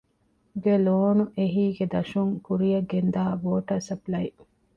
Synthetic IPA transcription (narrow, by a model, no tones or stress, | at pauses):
ɡeloːnuʔeɦiːɡed̪ɐʃuŋkuɾijɐɡend̪aːboːʈɐsɐplɐi